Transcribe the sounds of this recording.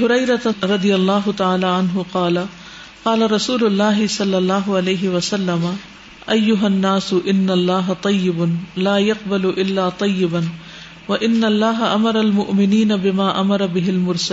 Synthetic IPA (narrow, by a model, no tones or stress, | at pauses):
ɦʊɾɐjɾat̪ɾˤɑd̪ɪjalˤːɑːɦʊt̪aʕaːlaːʕanɦʊqɑːla | qɑːlaɾˤɑsuːlʊlˤːaːɦɪsˤɑlːɑlˤːɑːɦʊʕalajɦɪwɐsalːama | ʔajːʊɦanːaːsʊʔɪnːalˤːɑːɦat̪ˤɑjːɪbʊnlaːjaqbalʊʔɪlːaːt̪ˤɑjːɪban | waʔɪnːalˤːaːɦaʔamɑɾˤɑlmʊʔmɪniːnabɪmaːʔamɑɾˤɑbɪɦɪlmʊɾsa